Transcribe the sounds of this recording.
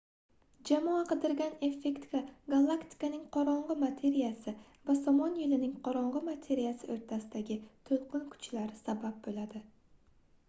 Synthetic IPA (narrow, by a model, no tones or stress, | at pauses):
d͡ʒamɒaqɨd̪ɪɾɡʲane̞fe̞kt̪kʲaɡalˠːakt̪ʰi̥kanɪŋqʰɒɾɒɴʁɨmat̪ʰe̞ɾijasɪ | vasɒmɒnjɪlɪnɪŋqʰɒɾɒɴʁɨmat̪ʰe̞ɾijasɪʔoɾt̪ʰasɪd̪aɡʲɪt̪ʰolˠqʰɨnkʰʊ̥t͡ʃlaɾɪsabap̚bolad̪ɪ